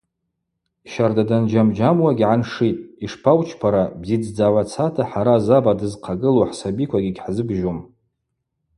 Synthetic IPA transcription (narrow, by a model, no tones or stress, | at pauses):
ʃardadand͡ʒamd͡ʒamwaɡʲʕanʂitʼiʂpʰawt͡ʃʰpʰaɾabzid͡zd͡zawʷat͡sʰatʰaħaɾazabadɨzqʰaɡɨluħsabikʷʰaɡʲiɡʲħzɨbʒom